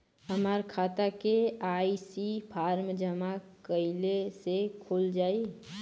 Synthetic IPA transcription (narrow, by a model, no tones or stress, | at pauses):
ɦəmaːɾkʰaːt̪akeaːisipʰaːɾmd͡ʒəmakəɪlesekʰoːld͡ʒaːi